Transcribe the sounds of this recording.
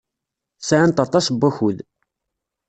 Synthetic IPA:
saʕant̪ɑt̪ˤːɑsbːæçuð

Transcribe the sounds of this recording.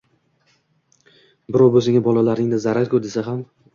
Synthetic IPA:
bɪɾɒwbɵzɪŋɪbɒlˠalaɾnɪŋd̪azaɾaɾkʰʲɵd̪esaɦam

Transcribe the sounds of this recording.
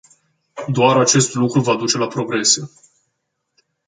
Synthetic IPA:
d̪oaɾat͡ʃe̞st̪lukɾuvad̪ut͡ʃe̞lapɾo̞ɡɾe̞se̞

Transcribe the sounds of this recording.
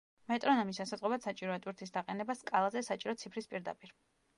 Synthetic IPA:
mɛt̪ʼɾɔnɔmisasad̪zʼʁʼɔbat̪sat͡ʃʼiɾɔɛt̪ʼwiɾt̪ʰisd̪aqʼɛnɛbaskʼalˠazɛsat͡ʃʼiɾɔt̪sʰipʰɾispʼiɾd̪a̰pʼiɾ

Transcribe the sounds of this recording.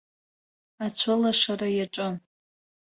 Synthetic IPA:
at͡ɕʷʰʊlaʂaɾajaʈ͡ʂʼɨ

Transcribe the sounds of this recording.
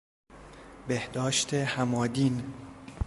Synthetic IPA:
behd̪ɒːʃt̪ʰehæmɒːd̪iːn

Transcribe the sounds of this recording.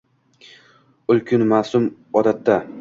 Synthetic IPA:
ʊlˠkʲʰʊnmasʊm | ɒd̪at̪ːa

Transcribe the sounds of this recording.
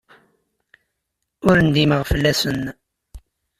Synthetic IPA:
ʊɾənd̪iməʁfəlːæsən

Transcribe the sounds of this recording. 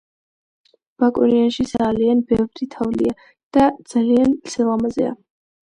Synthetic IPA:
b̥akʼɔ̰ɾianʃizalianbɛvɾit̪ʰavlḭa | d̪̥ad̪z̥aliant̪sʰɛlˠamazɛ̰a̰

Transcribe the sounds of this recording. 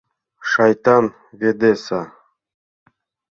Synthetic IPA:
ʃɑjt̪ɑn | vʲed̪esɑ

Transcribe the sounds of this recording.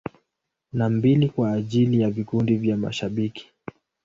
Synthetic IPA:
nambilikwaːʄilijavikundivjama̰ʃaɓiki̥

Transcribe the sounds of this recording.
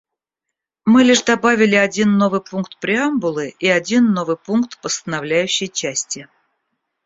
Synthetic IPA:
mɨlʲɪʂd̪ɐbavʲɪlʲɪɐdʲinːo̞vɨjpunkt̪pɾʲɪambʊlˠɨiɐdʲinːo̞vɨjpunkt̪pəst̪ənɐvlʲæjʉɕːɪjt͡ɕæsʲtʲɪ

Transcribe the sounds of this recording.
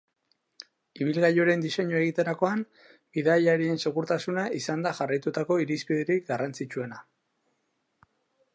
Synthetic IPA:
iβ̞ilɣajoɾe̞nd̪ise̞ɲoe̞ɣit̪e̞ɾako̞an | biðajaɾie̞nseɣuɾt̪asunaisand̪aʝarajt̪ut̪ako̞iɾispiðeɾik̚ɡarant͡sit͡ʃue̞na

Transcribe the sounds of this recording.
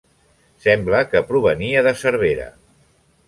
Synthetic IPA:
sɛmbləkəpɾuβ̞əniəðəsəɾβ̞eɾə̰

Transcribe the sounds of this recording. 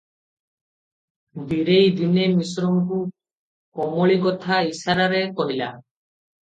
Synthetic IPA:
b̪iɾejd̪inemisɾomku | kɔmoɭiɡɔt̪ʰaisaɾaɾekoɦila̰

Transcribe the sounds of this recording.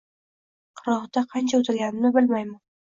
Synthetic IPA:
qʰɨɾɒhd̪aqʰɑnt͡ʃʰaɵt̪ʰɪlɡʲanɪnɪbɪlmajma

